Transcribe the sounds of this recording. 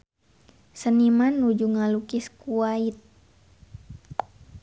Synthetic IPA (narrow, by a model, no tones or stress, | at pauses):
sənimanːud͡ʒuŋalukiskuait̪̚